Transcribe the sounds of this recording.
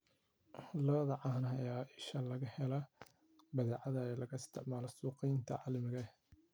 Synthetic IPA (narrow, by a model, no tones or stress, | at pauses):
lɔːðɐʕɑːnɦɐjaːʔɪʃɐlɐɣɐhɛlɐ | bɐðɛːʕɑðɐɛːlɐɣɐɪst̪ʰɪ̰ʕmaːlɔsuːqɛjnt̪ʰɐ̰ʕɑ̰lɐmɪɣɐ